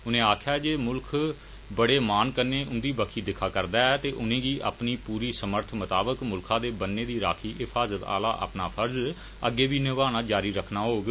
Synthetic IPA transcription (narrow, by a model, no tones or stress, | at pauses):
ʊnẽːaːkʰjaːd͡ʒeːmʊlkʰ | bəɽeːmaːnkəɾneːʔʊnd̪iːbəkʰiːd̪ɪkʰːaːkəɾd̪aːɛːt̪eːʔʊnẽːɡiːʔa̰ːpniːpuːɾiːsəməɾt̪ʰmət̪aːbəkmʊlkʰãːd̪eːbənːeːd̪iːɾa̰ːkʰiːɪpʰaːzət̪a̰ːla̰ːʔə̰pnaːpʰəɾz | əɡːeːbiːnɪʋaːnaːd͡ʒaːɾiːɾəkʰnaːɦoːɡ